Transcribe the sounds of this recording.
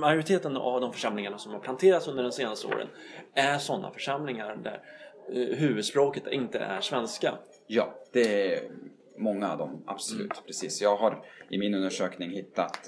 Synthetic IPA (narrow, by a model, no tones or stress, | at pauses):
majʊɾɪt̪ʰeːt̪əna̰vd̪ɔmfœʂamlɪŋaɳasɔmhaɾpʰlant̪ʰeːɾat̪sɵnd̪əɖɛnseːnast̪əo̰ːɾə̰næɾʂɔnːa̰fœʂamlɪŋaɾd̪æ̰ɾ | ɦʉ̟ːvɵd̪spɾoːkət̪ɪnt̪ə̰ʔæɾʂvɛnska̰ | jɑːd̪̥ɛæ | mɔŋːaːvd̪ɔmʔa̰b̥sɔlʉ̟ːt̪pʰɾɛsiːsjɑːɡɦaɾʔɪmɪnɵnd̪əʂøːknɪŋhɪt̪ːat̪